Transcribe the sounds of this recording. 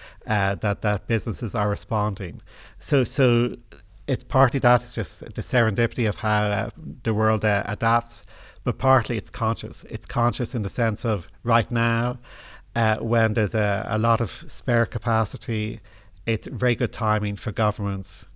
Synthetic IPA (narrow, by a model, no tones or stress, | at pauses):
ʌðət̪̚ðət̚b̥ɪznəsɪzə˞ɹɨspɑ̃ndɪ̃ŋ | soʊsoʊ | ɪtspʰɑɹtliðəɾɪz̥d͡ʒʌstðəsɛɹə̃ndɪpjɪɾiʌv̥haʊ̰ðəwɜ˞lˠdʔə̰dap̚tsb̥ʌt̚pʰɑɹtˡliɨtskʰɑ̃nʃə̰sɪ̰tskʰɑ̃nʃəsɨ̃nðəsɛ̃nsʌvɹaɪtⁿnaʊ | ʌwə̃nðə˞zəə̰lɔɾʌv̥spɛɹkʰəpʰasəɾi | ɪtsvɛɹiɡʊd̚tʰãɪ̃mɪ̃ŋfə˞ɡʌvə˞mə̃nts